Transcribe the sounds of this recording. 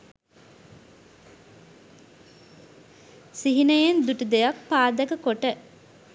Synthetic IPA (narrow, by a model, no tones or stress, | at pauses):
siɦinəjend̪uʈud̪ejak̚paːd̪ɐkəkoʈə